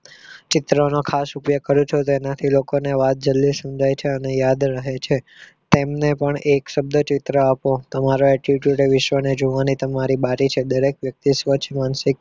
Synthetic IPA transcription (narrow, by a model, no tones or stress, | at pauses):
t͡ʃɪt̪ɾonokʰasupjəkəɾũt͡ʃʰot̪enat̪ʰilokoneʋat̪̚d͡ʒəlːisəmd͡ʒʱajt͡ʃʰeənejad̪ɾəɦet͡ʃʰe | t̪emnepəɳekʃəb̚d̪ʱət͡ʃɪt̪ɾəapõt̪əmaɾoɛʈiʈjuʈeʋɪʃʋəned͡ʒoʋanit̪əmaɾibaɾit͡ʃʰed̪əɾekʋjək̚t̪isʋət͡ʃʰmansɪk̚